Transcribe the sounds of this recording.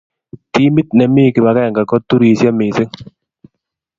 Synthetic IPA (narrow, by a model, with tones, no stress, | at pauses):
ti˦mi˦t̪̚nɛ˨mi˦˨kɪ˨ba˨ka˦a˨ŋɡa˨kɔ˦tu˦ɾi˨sja˦mɪ˨se˦ŋ